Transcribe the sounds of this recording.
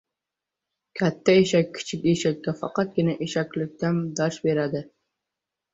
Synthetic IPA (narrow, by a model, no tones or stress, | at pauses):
kʲʰat̪ʰːaeʃakʲʰːɪ̥t͡ʃʰɪkʲeʃakʲːafɑ̰qɑt̪̚ɡʲɪnaʔeʃakʲlɪk̚ʲt̪and̪ɑʃbeɾad̪ɪ